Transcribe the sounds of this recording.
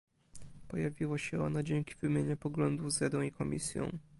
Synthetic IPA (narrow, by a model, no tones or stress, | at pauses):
pɔjavʲiwaɕɛɔ̰nɔd͡ʑeŋkʲi̥vɘmʲjeɲɛpɔɡlɔnd̪uvzɾad̪ɔ̃w̃ikʰɔmʲḭsʲjɔ̰̃w̃